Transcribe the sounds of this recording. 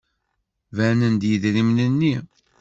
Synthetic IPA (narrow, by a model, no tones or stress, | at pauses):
vænənd̪jəðɾimnənːi